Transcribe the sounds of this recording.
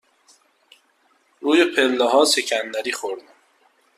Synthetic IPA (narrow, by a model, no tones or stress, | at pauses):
ɾuːjepʰelːeɦɒːsecʰænd̪æɾiːxoɾd̪æm